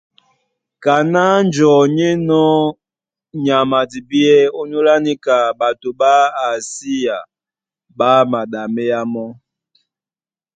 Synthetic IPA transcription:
ka˨na˦n˦d͡ʒɔ˨ɲe˦nɔ˦ | ɲa˨ma˨di˨bi˦ɛ˦o˦ɲo˦la˦ni˦ka˨ba˨to˨ba˦a˨si˦ja˨ | ba˦ma˨ɗa˨mɛ˦ja˦mɔ˦

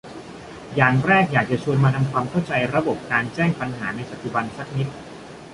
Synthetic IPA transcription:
jaː˨˩ŋɾɛː˥˩k̚jaː˨˩k̚t͡ɕa˨˩t͡ɕʰu˧ənmaː˧t̪ʰa˧mkʰwaː˧mkʰa˥˩wt͡ɕa˧jɾa˧bo˨˩p̚kaː˧nt͡ɕɛː˥˩ŋpa˧nɦaː˩˦na˧jpa˨˩t̪ːi˨˩ba˧nsa˦˥k̚ni˦˥t̪̚

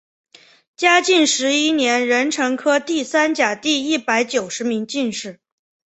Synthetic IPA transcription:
t͡ɕja˥t͡ɕi˥˩nʂɻ̩˧˥i˥njɛ˧˥nɻə˧˥nʈ͡ʂʰɤ˧˥ŋkʰɤ˥t̪i˥˩sa˥nt͡ɕja˨˩t̪i˥˧i˥˩pa˧˥ɪt͡ɕjo˨˩ʊʂɻ̩˧˥mi˧˥ŋt͡ɕi˥˧nʂɻ̩˥˩

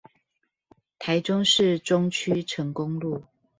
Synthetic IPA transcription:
t̪ʰa˨˦ɪʈ͡ʂʊ˥˦ŋʂɻ̩˥˨ʈ͡ʂʊ˦ŋt͡ɕʰy˥ʈ͡ʂʰə˨˥ŋkʊ˦ŋlu˥˨

